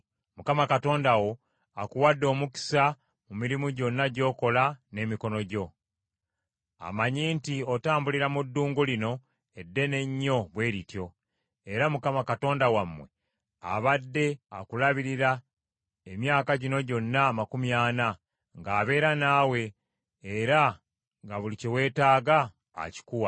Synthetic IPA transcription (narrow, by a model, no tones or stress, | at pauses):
mukamakato̞ːndawo | akuwadːo̞ːmuki̥sa | mumiɾimuɟo̞nːaɟo̞ːko̞lane̞ːmiko̞no̞ɟo̞ | a̰maɲiːntio̞taːmbuliɾamudːuːŋɡulino̞ | edːe̞ne̞ɲːo̞βwe̞ːɾitjo̞ | eɾamukamakato̞ːndawamːwe̞ | a̰βadːe̞a̰kulaβiɾiɾa | emjaːkaɟino̞ɟo̞nːamakumjaːna | ŋɡaːβe̞ːɾanaːwe̞ː | ɾa | ŋɡaβulicewe̞ːtaːɡa̰ː | ci̥kuwa